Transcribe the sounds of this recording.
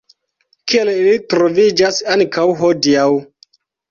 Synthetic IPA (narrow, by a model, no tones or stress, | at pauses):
kielilitɾo̞vid͡ʒasaŋkʰawɦodiaw